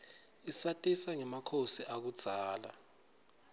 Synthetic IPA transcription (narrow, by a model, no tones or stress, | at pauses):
isatʼisaŋɛmakʰosiʔak̬ud̥z̥ʱaːla̰